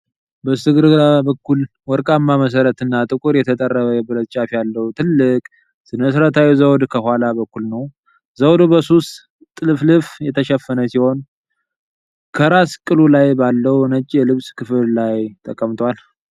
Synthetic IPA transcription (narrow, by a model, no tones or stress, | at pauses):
bəsɨɡɨɾabəkːul | wɔɾkʼamːaməs̬əɾət̪ɨnːat̪ʼɨkʼuɾjɛt̪ʰət̪ʼərːəβəjɛbɨɾət̪̚t͡ʃʼafjalːəwut̪ʰɨlːɨkʼ | sɨnməsɾət̪ʰawizəwd̪kʰəhʷwalabəkːulnəw | zəwd̪bəsust̪ | t̪ʼɨlɨflɨfjɛt̪ʰəʃɛfːənəsiho̞n | kʰəɾaskʼɨlulajbalːəwnət͡ʃʼːjɛlɨβskʰɨfɨllajt̪ʰʼəkʼːəmt̪ʰwal